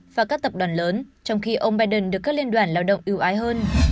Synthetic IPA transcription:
vaː˨˩kaː˦˥k̚t̪ə˨˩p̚ɗwaː˨˩nləː˨˦nt͡ɕɔ˧wŋ͡mxi˧ʔə˧wŋ͡mɓaː˧jɗə˧˩nɗɨ˨˩əkaː˦˥k̚li˧ənɗwaː˧˩nlaː˧wɗə̰˧˨wŋ͡mʔi˧əwʔaː˨˦jɦəː˧n

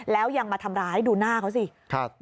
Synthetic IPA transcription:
lɛː˦˥wja˧ŋmaː˧t̪ʰa˧mɾaː˦˥jduː˧naː˥˩kʰa˦˥wsi˧˩kʰa˧˩

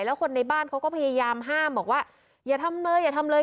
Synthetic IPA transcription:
jlɛː˦˥wkʰo˧nːa˧jbaː˥˩nkʰa˦˥wkɔː˥˩pʰa˧jaː˧jaː˧mɦaː˥˩mbɔː˨˩k̚waː˥˩ | jaː˨˩t̪ʰa˧mlɤː˧jaː˨˩t̪ʰa˧mlɤː˧

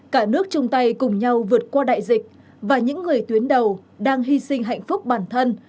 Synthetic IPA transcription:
kaː˧˩nɨ˦˥ək̚t͡ɕʊ˧ŋ͡mt̪a˧jkʊ˨˩ŋ͡mɲa˧wvɨ˨˩ət̚kwaː˧ɗa̰ː˧˨jzï˨˩k̟̚ | vaː˨˩ɲɨ̰˧˥ŋːɨ˨˩əjt̪wi˨˦ənɗə˨˩wɗaː˧ŋɦi˧sï˧ŋ̟ɦa̰˧˨jŋ̟fʊ˦˥k͡p̚ɓaː˧˩nt̪ʰə˧n

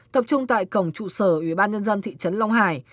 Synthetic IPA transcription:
t̪ə˨˩p̚t͡ɕʊ˧ŋ͡mt̪a̰ː˧˨jkə˧˩wŋ͡mt͡ɕṵ˧˩səː˧˩ʔwi˧˩ɓaː˧nɲə˧nzə˧nt̪ʰḭ˧˨t͡ɕə˨˦nla˧wŋ͡mɦaː˧˩j

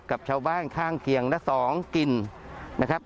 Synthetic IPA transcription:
ka˨˩p̚t͡ɕʰaː˧wbaː˥˩nkʰaː˥˩ŋkʰi˨˩˦əŋlɛ˦˥sɔː˩˦ŋki˨˧nnʔa˦˥kʰa˦˥p̚

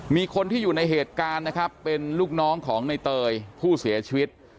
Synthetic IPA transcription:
miː˧kʰo˧nt̪ʰiː˥˩juː˨˩na˧jɦeː˨˩t̪̚kaː˧nːa˦˥kʰɾa˦˥pːe˧nluː˥˩k̚nɔː˦˥ŋkʰɔː˩˦ŋna˧jt̪ɤː˧jpʰuː˥˩si˩˦ɐt͡ɕʰi˧wi˦˥t̪̚

